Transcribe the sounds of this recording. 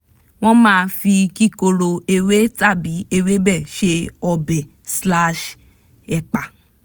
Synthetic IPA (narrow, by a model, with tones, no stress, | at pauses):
w̃ɔ̃˦mãː˦˧fi˧ki˦˨ko˧ɾo˧e˧we˦ta˦˨bi˨˦e˧we˦bɛ˦˨ʃe˧ɔ˧bɛ˨ | sla˦ʃ | ɛ˨k͡pa˨